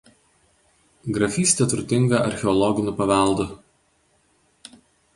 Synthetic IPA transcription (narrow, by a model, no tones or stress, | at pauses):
ɡɾɐfʲiːsʲt̪ʲɛt̪ɾʊt̪ʲɪŋɡɐʔɐ̰ɾʲxʲɛɔlˠɔɡʲɪnʲʊpɐʋʲɛˑlˠˑd̪ʊ